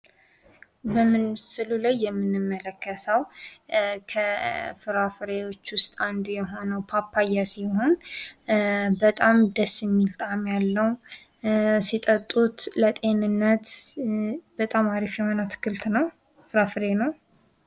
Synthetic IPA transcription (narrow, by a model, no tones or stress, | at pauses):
bəmːɨnsɨlulajːɛmːɨnɨmːələkːət̪ʰəw | kʰəfɨɾafɨɾewo̞t͡ʃːwʊst̪ʼand̪ujɛɦo̞nəwpʰapʰːajːasiho̞n | bət̪ʼamd̪əsːɨmːilt̪ʼamjalːəw | sit̪ʼət̪ʼːut̪lət̪ʼe̞nɨnːət̪ | bət̪ʼamaɾifjɛho̞nət̪ʰɨ̥kːɨlt̪nəw | fɨɾafɨɾenəw